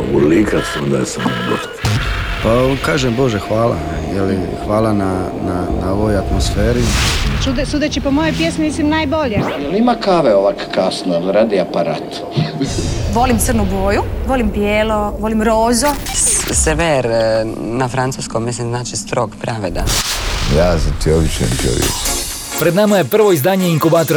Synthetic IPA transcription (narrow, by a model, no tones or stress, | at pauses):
ṵlikasond̪a̰jesamoba̰t̪pakaːʒembo̞ʒexʋaːla̰ | jelixʋaːlˠana | nanaoʋojat̪mosfeːɾit͡ʃud̪sud̪et͡ʃipomojojpjesmimislimnajboʎejelimakaʋeoʋakḁkasnolɾad̪iapaɾa̰ːt̪ | misimʋo̞limt̪sərnuboːjuʋolimpjeːloʋolimɾoːzoseʋeɾ | nafɾant̪suskommislimznaːt͡ʃist̪ɾo̞ɡpɾaʋed̪a̰jaːzat̪ioʋiʃɛḛmt̪io̰ʋjḛk | pɾed̪namaje̞pr̩ʋo̞izd̪aːɲeiŋkubaːt̪oɾ